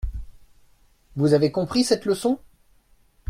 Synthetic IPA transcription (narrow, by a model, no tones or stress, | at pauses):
vuzavekɔ̃pχisɛt̪ləsɔ̃